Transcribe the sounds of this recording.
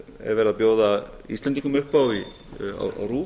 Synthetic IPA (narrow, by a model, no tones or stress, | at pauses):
ɛ̰ɾvɛɾaðapjoːwða | ḭst̪lɛnt̪iŋkʏmʏhpːawi | a̰wa̰wruː